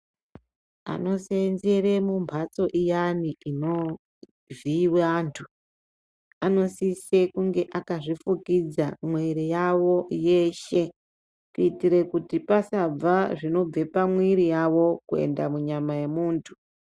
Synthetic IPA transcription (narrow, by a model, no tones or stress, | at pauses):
a̰no̞senzeremumbʱat͡so̞ʔijaniino̞ | viwantʰu̥ | ano̞sise̞kuŋɡe̞ʔakaʐifukid͡zamweɾijawo̞je̞ʃe̞ | kuitiɾe̞kutipasab͡vaʐino̞b͡ve̞pamwiɾijawo̞kue̞̰nda̰muɲamaje̞muːntʰu̥